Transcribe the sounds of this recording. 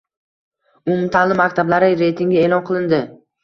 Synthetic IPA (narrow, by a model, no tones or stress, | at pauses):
ʊmʊt̪ʰanlɪmːakʲt̪ʰablaɾɪɾe̞jt̪ʰiŋɡʲae̞lɒnqʰɨlˠɪnd̪ɪ